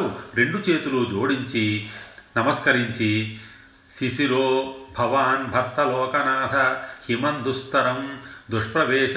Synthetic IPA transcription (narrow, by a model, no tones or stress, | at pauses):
uɾe̞ɳɖut͡ʃeːt̪ulud͡ʒoːɽiɲt͡ʃinɐmɐskɐɾiɲt͡ʃi | sisiɾoːbʱɐʋaːnbʱɐɾt̪ɐlɔːkɐnaːd̪ʱɐhimɐnd̪ust̪ɐɾɐmd̪uʂpɾɐʋɛːʃ